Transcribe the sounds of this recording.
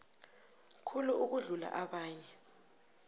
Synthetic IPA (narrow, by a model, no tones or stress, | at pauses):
kʰuluuk̬uɮula̰ʔaɓaːɲɛ